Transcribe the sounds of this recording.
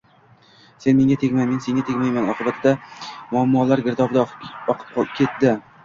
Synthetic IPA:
se̞nme̞ŋʲat̪ʰekʲmajme̞nse̞ŋɡʲat̪ʰekʲmajmanɒqʰɨbat̪ʰd̪amʊamːɒlaɾɡʲɪɾd̪ɒbd̪aɒqʰɨ̥p̚qʰˠp̚kʲʰe̞t̪d̪ɪ

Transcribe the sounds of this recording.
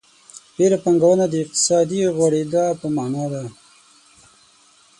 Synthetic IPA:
beɾapaŋɡawənad̪əɪq̚t̪ɪ̥sɑd̪iɣwaɽed̪apəmanɑd̪a

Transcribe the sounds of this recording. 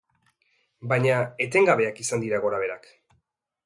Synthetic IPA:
bajɲae̞t̪e̞ŋɡaβe̞akisand̪iɾaɣo̞ɾaβ̞e̞ɾak

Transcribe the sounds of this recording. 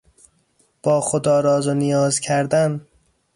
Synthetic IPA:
b̥ɒːxod̪ɒːɾɒːzonijɒːzcʰæɾd̪æn

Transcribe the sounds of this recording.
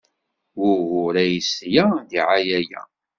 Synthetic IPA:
wʊɣʊɾæjisjæðiʕajæjæ̰

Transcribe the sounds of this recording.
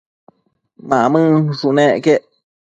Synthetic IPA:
mãʔmɨ̃ʂunẽʔkeʔ

